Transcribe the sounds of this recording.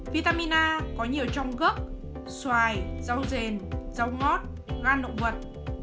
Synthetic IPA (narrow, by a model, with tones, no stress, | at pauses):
vi˧t̪aː˧mi˧naː˧kɔ˨˦ɲi˨˩əwt͡ɕɔ˧wŋ͡mɣə˦˥k̚ | swaː˨˩jza˧wze˨˩nza˧wŋɔ˦˥t̚ | ɣaː˧nːo̰˧˨və˨˩t̚